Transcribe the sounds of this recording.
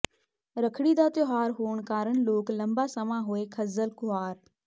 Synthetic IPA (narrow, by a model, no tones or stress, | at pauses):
ɾəkʰɽid̪aːt̪joɦaːɾɦuːəɳ̃kaːɾəɳ̃loːklɐ̃mbaːsɐmãːɦʊeːkʰɐzəlkʊɦaːɾ